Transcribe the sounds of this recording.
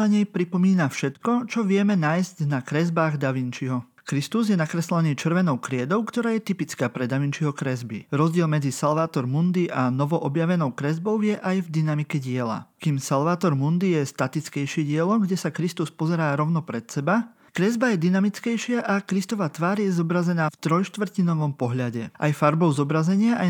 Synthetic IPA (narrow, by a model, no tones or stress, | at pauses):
aɲɛjpɾipɔmiːnafʃɛt̪kɔt͡ʃɔʋɪɛmɛnaːjzcnakɾɛzbaːɣd̪aʋint͡ʃiɦɔ | kɾist̪uzjɛnakɾɛslɛniːt͡ʃr̩ʋɛnɔʊkɾɪɛd̪ɔʊkt̪ɔɾaːjɛt̪ipit͡skaːpɾɛd̪aʋint͡ʃiɦɔkɾɛzbḭɾɔzɟɪɛlmɛd͡zisalʋaːt̪ɔɾmund̪iʔanɔʋɔʔɔbjaʋɛnɔʊkɾɛzbɔʊjɛʔajvd̪inamikɛɟɪɛla̰kiːmsalʋaːt̪ɔɾmund̪ijɛst̪at̪it͡skɛjʃiɟɪɛlɔmɡɟɛsakɾist̪uspɔzɛɾaːɾɔʊnɔpɾɛt̪sɛba | kɾɛzbajɛd̪inamit͡skɛjʃɪaʔakɾist̪ɔʋaːt̪ʋaːɾjɛzɔbɾazɛnaːft̪ɾɔjʃt̪ʋr̩cinɔʋɔmpɔɦʎaɟɛʔa̰jfaɾbɔʊzɔbɾazɛɲɪaʔa